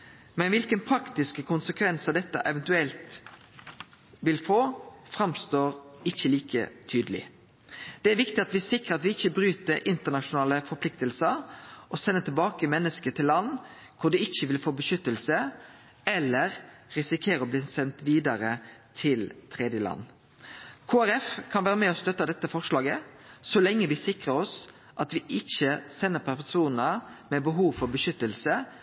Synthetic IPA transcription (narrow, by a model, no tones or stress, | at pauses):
mɛnʋɪlkənpʰɾɑkt̪ɪskəkʰʊnsəkʰʋɛnsəd̪ɛt̪ːə̰ʔɛʋɛnt̪ʉɛlt̪ | ʋɪlfoːfɾɑmst̪oːɾɪçːəliːkʰə̰t̪ʰyːd̪əlɪ̰ | d̪̥ɛæɾʋɪkt̪ɪɑt̪ʋɪsɪkɾəɑt̪ʋɪɪçːəbɾʉːt̪əɾʔɪnt̪əɳɑʃʊnɑːləfɔpʰlɪkt̪əlsəɾʔɔsɛnːət̪ʰɪlbɑːkəmɛnːəskət̪ʰɪlːɑnː | kʰʊɖ̪ɛɪçːəʋɪlfoːbəʃʏt̪ːəlsə | ɛlːəʁɾɪsɪkʰeːɾəɔbliːsɛnt̪ʋiːd̪ɑɾət̪ʰɪlt̪ʰʁeːd̪jəlɑ̰nː | kʰoːæɾɛfkʰɑnʋæːɾəmɛːɔst̪œt̪ːɑd̪ɛt̪ːəfɔʁʂlɑːɡə | sɔlɛŋːəʋɪsɪkʁəɾɔs | ʔɑt̪ʋɪʔɪçəsɛnːəpʰæsuːnəmɛbəɦuːʋfɔɾbəʃʏt̪ːəlsə